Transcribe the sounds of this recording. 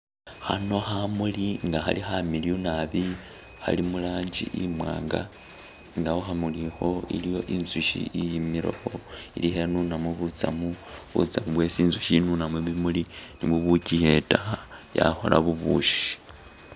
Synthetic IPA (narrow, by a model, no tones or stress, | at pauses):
xano̞xamuliŋɡaxa̰lixamiljunaβi | xa̰limulaːɲd͡ʒḭʔimwa̰ːŋɡa̰ | ŋɡahoxamulixo̞ḭlijo̞ʔinzuʃḭijimiɾo̰xo̞ḭlixe̞nunamuβut͡sa̰muβṵt͡samuβwe̞siːnzuʃinunamuβimuliniβuβucije̞taja̰xo̞̰la̰βuβuʃi̥